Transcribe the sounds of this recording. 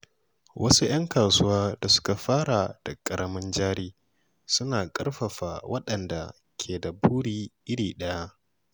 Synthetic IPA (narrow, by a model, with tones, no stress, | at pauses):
wʔɐ˦su˦j̰ɐ˦ŋkaː˨sʊ˦waː˦da˨sʊ̥˦ka˨ɸaː˦ɽa˨d̥a˨kʼɐ˨ɽɐ˦mɪ˦nd͡ʒaː˦ɽiː˦ | sʊ˦naː˨kʼɐ˦rɸɐ˨ɸaː˨wʔɐ˦ɗɐ˨nda˨ | kʲʰeː˨da˨buː˦ɽiː˨ʔɪ˦ɽiː˨ɗɐ˦ja˦ʔ